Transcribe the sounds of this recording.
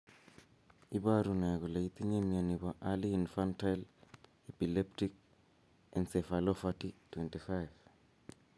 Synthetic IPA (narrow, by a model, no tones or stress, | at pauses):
ibaɾuneɡɔleit̪iɲemianiβoʔaliːnfantajl | epilep̚tik̚ | ɛnsefalofatitwentifajf